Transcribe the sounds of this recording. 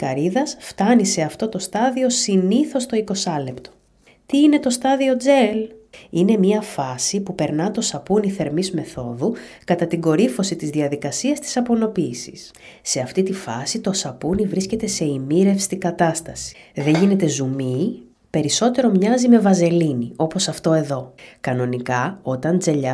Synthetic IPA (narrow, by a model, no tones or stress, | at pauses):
kɐɾiðɐsft̪ɐnise̞ɐft̪o̞t̪o̞st̪ɐðio̞siniθo̞st̪o̞iko̞sɐle̞pt̪o̞̥ | t̪iine̞t̪o̞st̪ɐðio̞d͡ze̞line̞miɐfɐsipupe̞ɾnɐt̪o̞sɐpuniθe̞ɾmizme̞θo̞ðukɐt̪ɐt̪iɡo̞ɾifo̞sit̪izðiɐðikɐsiɐst̪i̥sɐpono̞piːsi̥s | se̞ɐft̪it̪ifɐsit̪o̞sɐpunivɾisce̞t̪e̞se̞imiɾe̞fsi̥t̪iɡɐt̪ɐst̪ɐsi̥ðe̞ɲʝine̞t̪e̞zumi | pe̞ɾiso̞t̪e̞ɾo̞mɲɐzime̞vɐze̞linio̞po̞sɐft̪o̞e̞ðo̞kɐno̞nikɐo̞t̪ɐnd͡ze̞ʎɐ